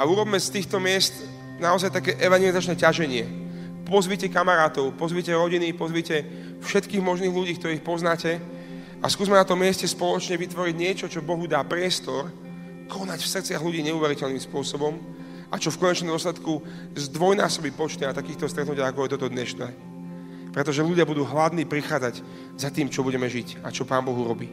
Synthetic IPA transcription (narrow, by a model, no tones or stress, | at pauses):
auɾɔbmɛst̪iːxt̪ɔmɪɛst̪ | naɔzajt̪akɛːʔɛʋaŋɡɛlizat͡ʃnɛcaʒɛɲɪɛ | pɔzʋicɛkamaɾaːt̪ɔʊpɔzʋicɛɾɔɟinipɔzʋicɛ | fʃɛt̪kiːɣmɔʒniːɣluɟiːk̚t̪ɔɾiːxpɔznaːcɛ | askuːzmɛnat̪ɔmːɪɛscɛspɔlɔt͡ʃɲɛʋit̪ʋɔɾiɟɲɪɛt͡ʃɔt͡ʃɔbɔɦud̪aːpɾɪɛst̪ɔɾ | kʰɔnacfsr̩t͡sɪaɦluɟiːɲɛuʋɛɾicɛlnimspʊɔsɔbɔm | ʔat͡ʃɔfkɔɲɛt͡ʃnɔmd̪ɔslɛt̪ku | zd̪ʋɔjnaːsɔbipɔt͡ʃt̪iat̪akiːxt̪ɔst̪ɾɛt̪nucɪaakɔjɛt̪ɔt̪ɔd̪ɲɛʃnɛː | pɾɛt̪ɔʒɛluɟɪabud̪uːɦlad̪niːpɾixaːd͡zaɟ | zat̪iːmt͡ʃɔbuɟɛmɛʒicat͡ʃɔpaːmbɔɦuɾɔbiː